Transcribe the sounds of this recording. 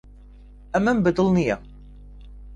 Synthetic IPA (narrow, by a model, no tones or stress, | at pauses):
æmːæmbəd̪əlnijæ